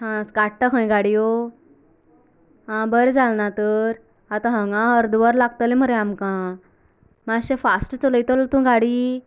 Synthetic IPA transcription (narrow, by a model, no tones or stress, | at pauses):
ɦãskaʈʈakʰə̃j̃ɡaɽijo | ɦãbəɾd͡zʱalnat̪əɾ | at̪ãɦə̃ŋɡãɦəɾd̪ʋəɾlaɡ̚t̪əlẽm̤əɾeamkã | maɕẽfasʈt͡sələjt̪əlt̪ũɡaɽi